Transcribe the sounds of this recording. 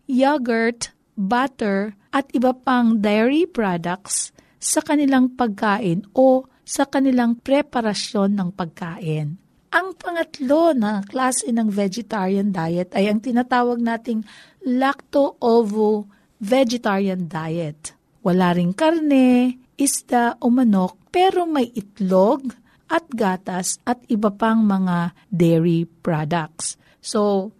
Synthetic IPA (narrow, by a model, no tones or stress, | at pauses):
jaɡɐɹt̪ | bat̪ɛɹʔɐt̪ʔɪbɐpaŋd̪ajɹipɹad̪ɐk̪̚s | sɐkɐnɪlaŋpɐɡ̚kaːʔɪnʔo | sɐkɐnɪlaŋpɾɛpɐɾɐsjo̞nːɐŋpɐɡ̚kaːʔɪn | ʔɐŋpɐŋɐt̪lo̞nɐklaːsɛnɐŋvɛd͡ʒɛt̪aɹjɐnd̪aːjɛt̪ɐjɐŋt̪ɪnat̪aːwɐɡ̚naːt̪ɪŋ | lak̚t̪oʔovo | vɛd͡ʒɛt̪aɹjɐnd̪ajɛt̪ | wɐlaːɾɪŋkɐɾnɛ | ʔɪsd̪aʔʊmɐno̞k̚pɛːɾo̞mɐjʔɪt̪loɡ̚ | ʔɐt̪̚ɡaːt̪ɐsʔɐt̪ɪbɐpaŋmɐŋa | d̪ɛɹipɹad̪ɐk̚s | so